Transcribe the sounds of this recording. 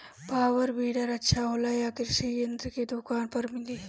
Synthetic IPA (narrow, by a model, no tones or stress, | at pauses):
paːʋɐɾbiːɖɐɾɐtːʃʰaɦolaːjaːkiɾʃɐjɐnd̪ked̪ʊkaːnpɐɾmɪliː